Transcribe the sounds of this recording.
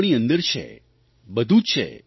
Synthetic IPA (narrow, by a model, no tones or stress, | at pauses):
ɽ̃iənd̪əɾt͡ʃʰḛ | bəd̪ʱũt͡ʃʰḛ